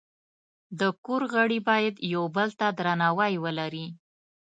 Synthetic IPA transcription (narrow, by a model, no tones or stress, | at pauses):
d̪əkoɾɣəɽibɑjad̪jawbəlt̪ad̪ɾanɑwɑjwəlaɾi